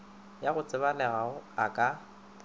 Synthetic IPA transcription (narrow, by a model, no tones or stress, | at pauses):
jaɣʊt͡sʼɪβalɛɣaʊakʼa